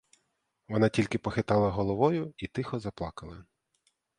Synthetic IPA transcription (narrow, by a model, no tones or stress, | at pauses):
ʋɔnɑtʲilʲkɪpɔxɪt̪ɑlˠɐɦɔlˠɔʋɔjʊit̪ɪxɔzɐplˠɑkɐlˠɐ